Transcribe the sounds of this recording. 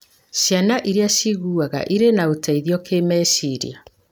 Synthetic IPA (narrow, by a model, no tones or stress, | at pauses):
ɕjanaʔiɾeaɕiɣuːaɣa̰ʔiɾenaotʰaiðijɔkemɛsiɾḭa